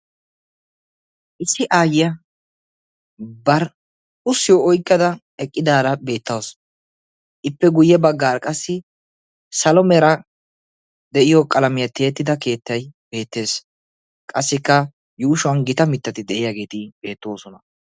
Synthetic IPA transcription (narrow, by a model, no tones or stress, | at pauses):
ʔɪsːɪʔaːjɪjɐ | bɐɾ | ʊsːɪjoɔjkʼːɐd̪ɐ | ɛkʼːɪd̪aːd̪ɐbe̞ːt̪ːɐws | ʔɪpːɛɡʊjːɛbɐɡːaːɾkʼɐsːɪ | sɐlɔmɛɾɐ | d̪ɛʔɪjokʼɐlɐmɪjɐt̪e̞ːt̪ːɪd̪ɐke̞ːt̪ːɐjb̥e̞ːt̪ːe̞ːs | kʼɐsːɪkːɐ | juːʃʊwɐnɡɪt̪ɐmɪt̪ːɐt̪ɪd̪ɛʔɪjaɡe̞ːt̪ɪbe̞ːt̪ːo̞ːsɔnɐ